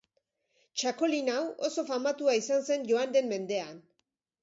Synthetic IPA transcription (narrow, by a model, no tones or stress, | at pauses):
t͡ʃako̞linawo̞so̞famat̪uaisanse̞nʝo̞and̪e̞mme̞nd̪e̞an